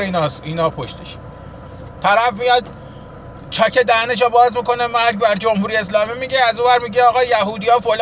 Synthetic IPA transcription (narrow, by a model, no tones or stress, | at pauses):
iːnɒːsiːnɒːpʰoʃt̪ʰeʃ | t̪ʰæɾæfmijɒd̪ | t͡ʃʰɒcʰed̪æneʃ̬ɒbɒːzmiko̞nemæɾɟbæɾd͡ʒomhuːɾijees̬lɒːmiːmiːɟeæzovæɾmiːɟeɒːɣɒːjæɦuːd̪ijɒːfol